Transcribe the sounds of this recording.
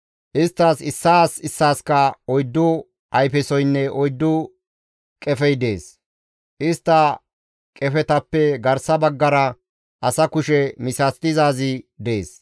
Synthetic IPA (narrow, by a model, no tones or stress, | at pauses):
ʔɪst̪ːasɪsːaːsɪsːaːskɐɔjd̪ːʊ | ʔɐjpɛsɔjnːɛʔɔjd̪ːʊ | kʼɛfɛjd̪e̞ːs | ʔɪst̪ːɐ | kʼɛfɛt̪ɐpːɛɡɐɾsɐbɐɡːɐɾɐ | ʔɐsɐkʊʃɛmɪsast̪ɪzaːzɪd̪e̞ːs